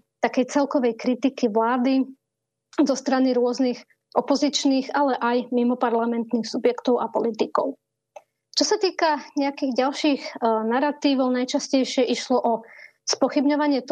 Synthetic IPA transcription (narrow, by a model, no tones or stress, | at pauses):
t̪akɛjt͡sɛlkɔʋɛjkɾit̪ikiʋlaːd̪i | zɔst̪ɾaniɾʊɔznix | ʔɔpɔzit͡ʃniːɣalɛʔajmimɔpaɾlamɛnt̪niːxsubjɛkt̪ɔʊʔapɔlit̪ikɔ̰ʊ | t͡ʃɔsat̪iːkaɲɛakiːɣɟalʃiːɣnaɾat̪iːʋɔʊnajt͡ʃascɛjʃɪɛʔiʃlɔʔɔ | spɔxibɲɔʋaɲɪɛt̪